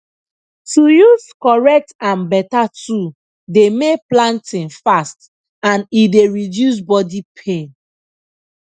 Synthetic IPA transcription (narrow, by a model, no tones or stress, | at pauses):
tujuzkɔɹɛk̚tãnbɛtatu | demeplãntĩnfast | ãnideɹidjus̬bɔdipʰẽn